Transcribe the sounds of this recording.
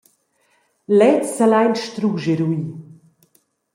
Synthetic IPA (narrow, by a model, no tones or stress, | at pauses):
lɛt͡sːalajnʃt̪ɾuʒeɾuiː